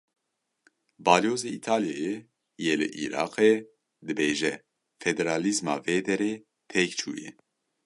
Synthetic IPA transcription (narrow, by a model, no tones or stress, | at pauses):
bɑːljoːzeit̪ʰaːljɛje | jeːlɨ̰ʔḭːɾɑ̰ːqe | d̪ɨbeːʒɛ | fɛd̪ɛɾaːlizmɑ̰ːveːd̪ɛɾeː | pʰekt͡ʃʰṵːjɛ̰